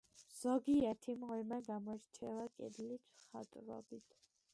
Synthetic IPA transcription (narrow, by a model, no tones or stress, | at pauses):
z̥ɔɡiat̪ʰimʁɛmaɡamɔɛɾt͡ʃʰɛvakʼɛ̰d̪lit̪ʰχa̰t̪ʼɾɔ̰bit̪ʰ